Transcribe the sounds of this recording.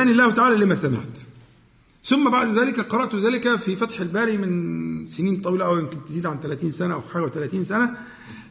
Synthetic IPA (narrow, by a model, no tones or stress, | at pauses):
æːnilːæːht̪aʕaːlælimæsæmḛʕt̪ | θʊmːæbaʕd̪æzæːlɪkæqɑɾˤɑʔt̪zæːlɪkæfifæt̪ħelbæːɾimɪnseniːnt̪ˤɑwiːlɑʔæwjɪmkɪnt̪eziːd̪ʕant̪ælæːt̪iːnsænæʔæwħaːlwæt̪ælæːt̪iːnsænæ